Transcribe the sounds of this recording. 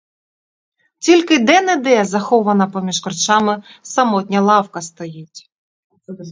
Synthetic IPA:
tʲilʲkɪd̪ɛnɛd̪ɛzɐxɔʋɐnɐpɔmʲiʃkɔrt͡ʃɑmɪsɐmɔtʲnʲɐlˠɑwkɐst̪ɔjitʲ

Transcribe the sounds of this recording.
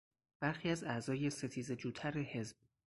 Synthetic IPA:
b̥æɾxiːæzæzɒːje̞se̞t̪ʰiːze̞d͡ʒuːt̪ʰæɾehe̞zb̥̚

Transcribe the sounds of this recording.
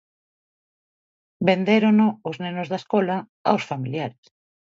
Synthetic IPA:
bend̪eɾonoːznenozðaskɔla | a̰wsfamiljaɾes

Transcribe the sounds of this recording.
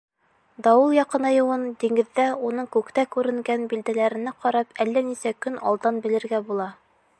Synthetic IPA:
d̪ɑwɤlˠjɑqɤ̆nɑjɤ̆wɤnd̪iŋɡɘ̆ðːæunɤɴkʉkt̪ækʉɾɘ̆ŋɡænbild̪ælæɾɘ̆nɘqɑɾɑpælːænisækɵnɑ̰lˠd̪ɑnbɘ̆lɘ̆ɾɡæbulˠɑ

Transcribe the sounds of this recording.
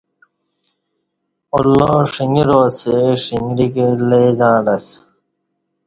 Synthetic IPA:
olːoʂiŋiɾoːseʂiŋɡɾikeleːzãːɾɐs

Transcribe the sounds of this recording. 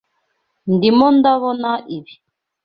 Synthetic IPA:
ndimɔndaβɔnaʔiβi

